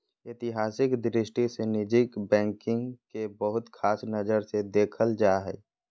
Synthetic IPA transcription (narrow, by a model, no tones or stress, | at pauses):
ɪt̪ɪɦaːsɪkd̪ɾɪsʈisenɪd͡ʒɪkbɛ̃ːŋkɪ̃ŋɡkebəɦʊt̪kʰaːsnəd͡ʒəɾsed̪eːkʰəld͡ʒaɦɛ̰ː